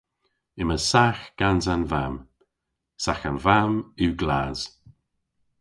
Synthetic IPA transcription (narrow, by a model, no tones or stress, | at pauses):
ɪməsaxɡ̥anzanvam | saxanvamiwɡlaːz̥